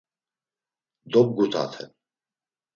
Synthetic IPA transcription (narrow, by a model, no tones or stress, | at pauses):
d̪ɔb̚ɡut̪ʰa̰t̪ʰɛ̰